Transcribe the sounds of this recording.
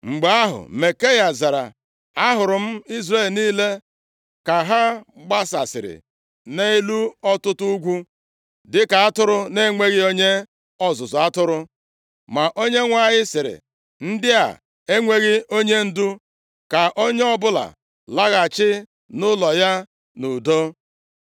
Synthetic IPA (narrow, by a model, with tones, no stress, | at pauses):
ŋ͡m̩˨ɡ͡ba˨˦a˦ɦʊ̰˨me˨ke˦ja˨za˨ɾa̰˨ | a˦ɦʊ˨ɾʊ˨m̩˦i˦zre˦˨lniː˦le˦ | ka˨ɦa˦ɡ͡ba˦sa˨sɪ̰˨ɾɪ̰˨ | ne˦i˦lu˦ɔ˦tʊ˦tʊ˦u˦ɡʷu˦ | dɪ˦ka˨a˦tʊ˦ɾʊ˦ne˦ŋʷe˦ɣɪ˦o˦ɲe˦ | ɔ˨zʊ˨zʊ˨a˦tʊ˦ɾʊ˦ | ma˨ʔo˦ɲe˦ŋʷa˨ɲɪ˦sɪ˨ɾɪ̰˨ | n̩˦dɪ˦a̰˨ | e˦ŋʷe˦ɣɪ˦o˦ɲe˦n̩˦dʊ˦ | ka˨ʔo˦ɲe˦ɔ˦bʊ˦la̰˨ | la˦ɣa˨t͡ʃɪ˦ | nʊ˦lɔ˨ja˦ | nu˨do˦